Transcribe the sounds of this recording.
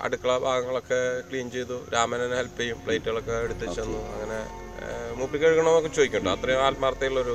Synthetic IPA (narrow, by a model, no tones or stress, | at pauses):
ɐ̰ɽukːɐɭɐbʱaːɡɐŋːɐɭo̞kːe̞kɭiːnt͡ɕe̞jt̪uɾaːmɐnenhelpːɐjumpɭejtːuɣɐɭokːeːɽut̪ːit͡ɕːenːuɐ̰ŋːɐne̞ | muplikːeɻukːɐɳɐmokːet͡ɕoːðikʲːuɳɖɨɐ̰t̪rɐjuaːlmɐrɐt̪ːɐjuɭːɐo̞ɾu